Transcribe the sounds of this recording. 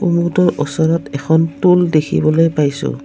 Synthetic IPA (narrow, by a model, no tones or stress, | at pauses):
umutɔɹʔɔsɔɹɔtɛkʰɔntuldekʰḭbɔlojpajsʊ̰